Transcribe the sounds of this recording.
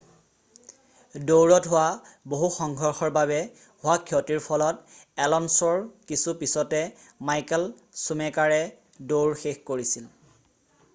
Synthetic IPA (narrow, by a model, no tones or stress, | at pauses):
dowɹɔtɦʊwaboɦuxɔŋɡʱɔɹxɔɹbaβɛ | hʊwakʰiɔtiɹpʰɔlɔtɛlɔnsɔɹkisupisɔtɛ | majkɛl | sumɛkaɹɛ | dowɹxexkoɹisil